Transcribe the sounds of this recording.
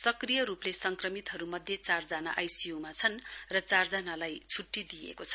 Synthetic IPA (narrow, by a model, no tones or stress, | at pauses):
sʌkrijʌɾuplesʌŋkrʌmit̪ɦʌɾumʌd̪ʱjet͡sard͡zana̰ʔajsijumat͡sʰʌnrʌt͡sard͡zanalajt͡sʰuʈːid̪ijḛkot͡sʰʌ̥